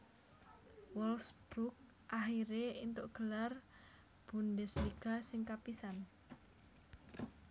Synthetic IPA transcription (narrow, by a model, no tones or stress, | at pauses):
wɔlsb̥ɾuk̚ | ʔahiɾeint̪ʊʔɡ̥ə̤lar | b̥ṳndɛsliɡ̥a̤sɪŋkapisan